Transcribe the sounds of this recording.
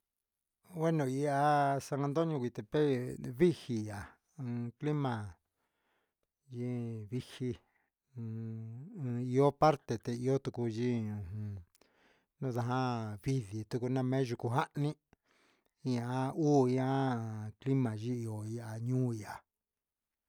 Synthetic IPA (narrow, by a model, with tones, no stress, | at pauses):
we˦nõ˨˧˨i˧a˧sa˧ŋã˧nd̪o˦ɲũ˧kʷi˧t̪e˨pe˦βi˦hi˧jã˨˧ | kli˦mã˨ | ʒi˦βi˧hi˧ | i˧o˦pa˦ɾt̪e˨t̪e˧i˧o˦t̪u˧ku˧ʒĩ˦˧ũ˧ | nũ˦˧ða˧ɦã˦βi˧ði˨t̪u˧ku˧nã˧mẽ˦ʒu˧ku˧ɦa˦ʔnĩ˦ | i˧a˧˦uː˦i˧a˦kli˦mã˨ʒi˦i˧o˨i˧a˧ɲũː˦i˧a˨